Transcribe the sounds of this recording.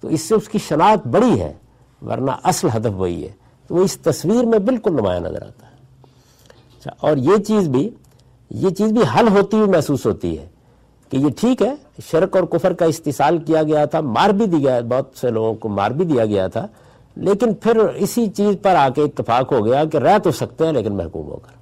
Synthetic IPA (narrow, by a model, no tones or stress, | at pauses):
t̪o̰ːɪsːeʊskiʃɐnaːt̪bɐɽiɦɛ̰ː | ʋɐ̰ɾna̰ʔɐsəlɦɐd̪əfɦo̰ḭɦɛ̰ː | t̪oʋoɪst̪ɐswiːɾmẽbɪlkʊlnɐma̰ːja̰nɐ̰zə̰ɾa̰ːt̪ḁɦɛː | ɐːʃʰa̰ːʔɔːɾjet͡ʃiːzbʱi | jet͡ʃiːzbʱiɦɐlɦoːt̪ibimɛɦsuːsɦoːt̪ḭɦɛ̰ː | kejeʈʰiːkɦɛː | ʃɐɾkɔːɾkʊfəɾkaɪst̪ɪːsaːlkijaɡɐjat̪ʰamaːɾbʱid̪iɡɐjabɔːt̪seloːɡõkoma̰ːɾbʱid̪ijaɡɐja̰t̪ʰa | leːkɪnpʰɪɾɪsit͡ʃiːzpɐɾaːkeɪt̪ːɪfaːkɦoɡɐjakeɾɛːt̪ɦosɐk̚t̪eɦɛ̃leːkɪnmɛ̰ɦkṵːmɦo̰ːkəɾ